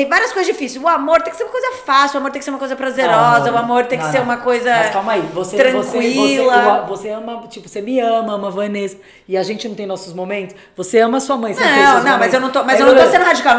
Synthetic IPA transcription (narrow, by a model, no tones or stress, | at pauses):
t̪ẽj̃vaɾiɐskojzɐd͡ʒifisɪʊamoɾt̪ẽkɪseɾumɐkojzɐfasiʊamoɾt̪ẽkseɾũmɐkojzɐpɾazeɾɔzɐʊamoɾt̪ẽjkɪseɾũmɐkojzɐkamaivoset̪ɾɐ̃okwilɐɐvoseɐ̃mɐt͡ʃipʊsemɪɐ̃mɐɐmɐvɐnesɐ | ɪaʒẽnt͡ʃɪnɐ̃t̪ẽj̃nɔsʊzmomẽnt̪ʊ̥svoseɐ̃mɐsuɐmɐ̃j̃sẽɐ̃w̃nɐ̃w̃mɐzewnɐ̃w̃t̪omɐzewñt̪osẽnd̪ʊhad͡ʒikaw